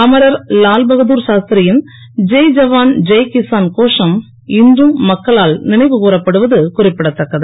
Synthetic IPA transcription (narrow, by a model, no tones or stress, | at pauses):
ɐmɐɾɐɾlaːlbɐɣɐðuːɾʃaːst̪ɾɪjɪn | d͡ʒɐjd͡ʒɐʋaːnd͡ʒɐjkɪsaːnkoːʂɐm | ɪndrɯmːɐkːɐɭaːlnɪnɐɪʋɯkuːrɐpːɐɽɯʋɐðɯkʊrɪpːɪɽɐt̪ːɐkːɐðɯ